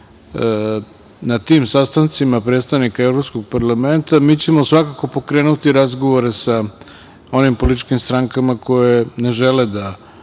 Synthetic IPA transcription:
nat̪iːmsast̪ant̪simapɾet̪st̪aʋnikaevɾo̞pskoɡ̚paɾlame̞nt̪amiːt͡ɕemo̞sʋakako̞po̞kɾe̞ːnut̪iɾazɡoʋo̞ɾe̞sa | o̞nimpo̞lit̪t͡ʃkimst̪ɾaŋkamakʰo̞jene̞ʒeled̪a

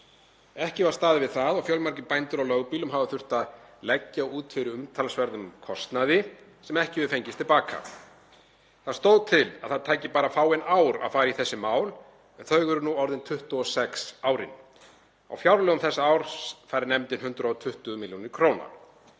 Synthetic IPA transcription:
ɛhcɪvaɾ̥st̪aːðɪvɪðθaðɔɣfjœlmaɾcɪpajnt̪ʏɾawlœɣpiːlʏmɦaːvaθʏr̥t̪aðlɛcːaɔuːt̪fɪɾʏʏmt̪ʰalsvɛɾðʏmkʰɔst̪naðɪ | sɛmɛhcɪvʏðʏfejɲcɪst̪ʰɪlpaːka̰ | θaðst̪owðt̪ʰɪlaðθaðt̪ʰaːjcɪpaːɾafaːwenaːwɾa̰ðfaːjɾaiθɛsːɪmaːwl | ɛnθœɥɣʏɾʏnuɔwɾðɪnt̪ʰʏht̪ɔsɛksawɾɪ̰n | a̰wfjawɾlœːɣʏmθɛsːaaːwɾ̥sfajɾɪnɛmt̪ɪnɦʏnt̪ɾaɔt̪ʰʏht̪ʏmɪljunɪɾ̥kʰɾoːwna̰ɾ

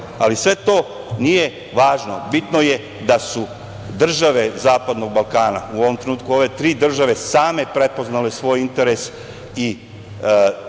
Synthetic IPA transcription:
alisʋe̞t̪o̞ː | nije̞ | ʋaːʒno̞̰bit̪no̞je̞ | d̪asu | d̪r̩ʒaʋe̞zaːpad̪no̞ɡ̚balˠkaːnauoʋomt̪ɾenuːt̪̚kuo̞ʋe̞t̪ɾiːd̪r̩ʒaʋe̞saːme̞pɾe̞po̞znalesʋo̞ːjint̪e̞ɾes | i

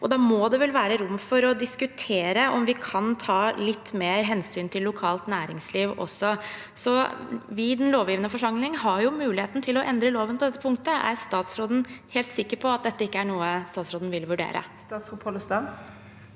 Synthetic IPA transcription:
ʔɔd̪ɑːmɔd̪ɛʋɛlʋæːɾəɾʊmːfɔɾɔd̪ɪskʉt̪ʰeːɾəʔɔmʋɪkʰɑnt̪ʰɑːlɪt̪ːmeːɾɦɛnsyːnt̪ʰɪlːʊkʰɑːlt̪næːɾɪŋsliːʋʔɔ̰sːɔ | sɔʋɪd̪ɛnloːʋjiːʋənəfɔʂɑŋlɪŋɦɑɾjʊmʉːlɪheːt̪n̩t̪ʰɪlɔʔɛnd̪ɾəloːʋənpʰɔd̪ɛt̪ːə̥pʰʊŋkt̪əʔæ̰ɾst̪ɑːt̪sɾoːd̪n̩heːlt̪sɪkːəɾpʰɔɑt̪̚d̪ɛt̪ːəɪkːəæɳuːəst̪ɑːt̪sɾoːd̪n̩ʋɪlʋʉɖḛːɾʔə̰st̪ɑːt̪sʁupʰolʊst̪ɑn

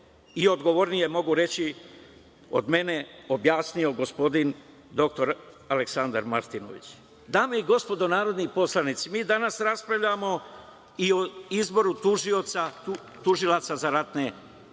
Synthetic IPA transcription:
io̞d̪ɡo̞ʋoɾnije̞mo̞ɡuɾe̞t͡ɕi | o̰d̪me̞ne̞o̞bjaːsnijo̞ɡo̞spo̞d̪in | d̪o̞k̚t̪o̞ɾ | ale̞ksand̪aɾma̰ɾt̪ino̰ʋḭt͡ɕ | d̪aːmeiɡo̞spo̞d̪o̞naːɾo̞d̪nipo̞slˠanit̪simiːd̪anasɾaspɾaʋʎamo̞ | ioizbo̞ɾut̪uʒio̞t̪sau | t̪uʒilˠat̪sazaɾat̪ne̞

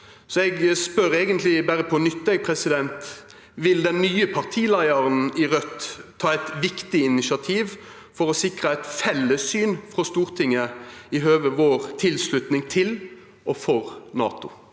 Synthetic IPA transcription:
sɔɛɡspœɾeːɡənt̪lɪbæɾəpʰɔnʏt̪ːɛɡpʰɾɛsɪd̪ɛnt̪ | ʋɪld̪ɛnːyːəpʰɑʁt̪ʰiːlæɪəɾənɪʁœt̪ʰːɑːɛɪt̪ʋɪkt̪ɪɪnɪsɑt̪ʰiːʋ | fɔʁɔsɪkʁəæɪt̪fɛlːəsyːnfʁɔst̪uːʁt̪ʰɪŋːəɪɦøːʋəʋoːʁt̪ʰɪlslʉt̪nɪŋt̪ʰɪl | ʔɔfɔɾnɑ̰ːt̪ʊ

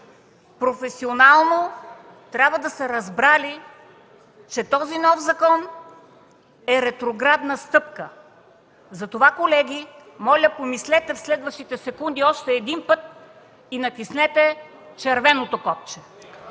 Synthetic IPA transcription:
pɾofɛsionalˠno | t̪ɾʲabvəd̪ɐsɛɾɐzbɾali | t͡ʃɛt̪ɔzinɔfzɐkɔn | ɛɾɛt̪ɾoɡɾad̪nəst̪ɤpkə | zɐt̪ovakolɛɡʲi | mɔlʲɐpomislɛt̪ɛfslɛd̪vɐʃt̪it̪ɛsɛkund̪iɔʃt̪ɛːd̪inpɤt̪̚ | inɐt̪isnɛt̪ɛ | t͡ʃɛɾvɛnot̪okɔp̚t͡ʃɛ

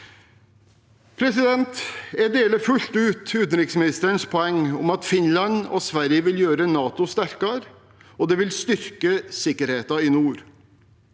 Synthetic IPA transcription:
pʰɾɛsɪd̪ɛnt̪ɛɖeːləfʉlt̪ʉːt̪ʉːt̪n̩ɾɪksmɪnɪst̪əɾəɳspʰɔɛŋːʊ̰mɑt̪fɪnlɑnɔːsʋæɾjəʋɪljøːɾənɑːt̪ʊst̪æɾkɑɾ | ɔd̪ɛːʋɪlst̪ʏɾkəsɪkːəɾheːt̪ɑɪnuːɾ

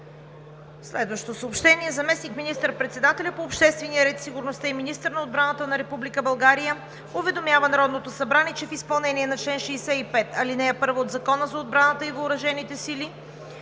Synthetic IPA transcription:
slɛd̪vɐʃot̪osəopʃt̪ɛniɛzɐmɛsnikminist̪əɾpɾɛt̪sɛd̪at̪ɛlʲəpoːpʃt̪ɛst̪vɛnijəɾɛt̪siɡʊɾnost̪aiminist̪əɾnɐod̪̚bɾanət̪ənɐɾɛpublikəbɐlˠɡaɾijə | ovɛd̪omjavənɐɾɔd̪not̪osɐbɾaniɛt͡ʃɛfispɐlˠnɛniɛnɐt͡ʃlɛnʃɛːsɛipɛt̪ɐlinɛːpɤɾvoːd̪zɐkɔnəzɐod̪̚bɾanət̪əivoːɾɐʒɛnit̪ɛsili

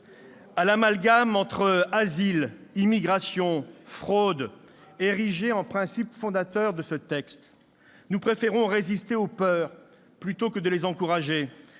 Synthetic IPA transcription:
alamalɡamɑ̃t̪χəazilimiɡʁasjɔ̃fχod̪ | eʁiʒeɑ̃pχɛ̃sipfɔ̃d̪at̪œʁd̪əsət̪ɛkst̪ | nupχefeʁɔ̃ʁezist̪eopœʁ | plyt̪okəd̪əlezɑ̃kuʁaʒe

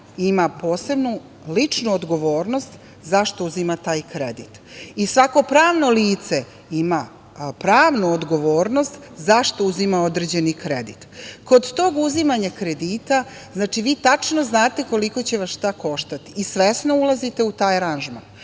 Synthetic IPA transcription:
imapo̞ːse̞bnu | lit͡ʂnuod̪ɡo̞ʋo̞ːɾno̞st̪ | zaʃt̪ouzimat̪aːjkɾed̪it̪ | isʋako̞pɾaːʋno̞liːt̪se | ima | pɾaːʋnuod̪ɡo̞ʋo̞ːɾno̞st̪ | zaʃt̪o̞uzimao̞d̪ɾed͡ʑe̞nikɾed̪it̪ko̞d̪t̪o̞ːɡuzimaɲakɾe̞d̪iːt̪a | znaːt͡ʃiʋiːt̪at͡ʃno̞znaːt̪e̞ko̞liko̞t͡ɕe̞ʋasʃt̪ako̞ʃt̪at̪i̥ːsʋe̞snoulˠazit̪e̞ut̪aːjɾanʒman

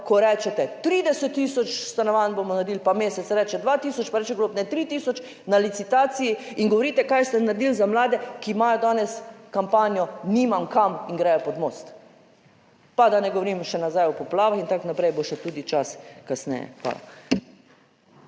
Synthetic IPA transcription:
kɔɾɛt͡ʃɛt̪ɛt̪ɾiːd̪ɛsɛt̪ːiːsɔt͡ʃst̪anɔʋanbomɔnaɾd̪iːlpameːsɛt̪sɾɛːt͡ʃɛd̪ʋaːt̪iːsɔt͡ʃpaɾɛːt͡ʃɛɡlopnɛt̪ɾiːt̪iːsɔt͡ʃ | nalit̪sit̪aːt̪siji | iŋɡɔʋɔɾiːt̪ɛkajst̪ɛnaɾd̪iːlzamlaːd̪ɛkimajɔd̪aːnɛskampaːnjɔniːmamkaminɡɾɛːjɔpɔd̪moːst̪ | pad̪anɛɡɔʋɔɾiːmʃɛnazajɔpɔplaːʋaxint̪aknapɾɛjboʃɛt̪uːd̪it͡ʃaskasnɛ̰jɛ̰xʋa̰ːla̰

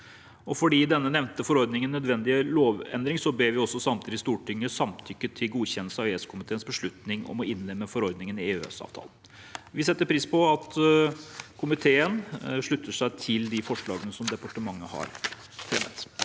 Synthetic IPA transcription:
ɔfɔɖiːd̪ɛnːənɛʋnt̪əfɔɾɔɾd̪nɪŋənːœd̪ʋɛnd̪ɪəloːʋɛ̰nd̪ɾɪŋsɔbeːʋɪɔsːɔsɑmt̪ʰiːd̪ɪst̪uːʈʰɪŋːəsɑmt̪ʰʏkːət̪ʰɪlɡuːçɛnəlsɑʋeːskʰʊmɪt̪ʰeːənsbəʂɭʉt̪nɪŋɔ̰mɔɪnlɛmːəfɔɾɔɾd̪nɪŋənɪeːø̰ːsɑ̰ːʋt̪ʰɑ̰ːlən | ʋɪsɛt̪ːəɾpʰɾiːspʰɔɑt̪ | kʰʊmɪt̪ʰeːənʂɭʉt̪ʰːəʂæɪt̪ʰɪld̪ɪfɔʂɭɑ̰ːɡənəsɔmd̪ɛpɑʈəmɑŋːəhɑ̰ɾ | fɾɛmːə̰t̪

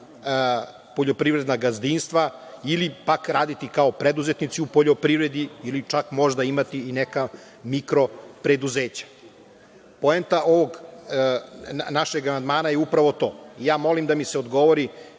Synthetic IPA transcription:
poʎo̞pɾivɾe̞d̪naɡazd̪inst̪ʋailipakɾaːd̪it̪ikaopɾed̪uzet̪nit̪siupo̞ʎo̞pɾiʋɾe̞d̪iːlit͡ʃakmo̞ʒd̪aimat̪iːneka | mikɾo̞pɾe̞d̪uzeːt͡ɕḁ | po̞ent̪aʔoʋoɡ | naʃeɡamand̪maːnajeupɾaʋo̞t̪o̞ːijaːmo̞limd̪amiseo̞d̪ɡo̞ʋoɾi

